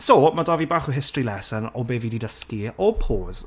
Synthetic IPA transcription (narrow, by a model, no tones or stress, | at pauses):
somadavibaːχɔɦɪstrilɛsənɔbeːvididəskiɔpʰoːz̥